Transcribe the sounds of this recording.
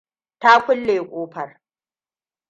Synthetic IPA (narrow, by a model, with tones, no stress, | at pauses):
ta˦kʷʊ˦lːeː˨kʷʼoː˦ɸɐ˨r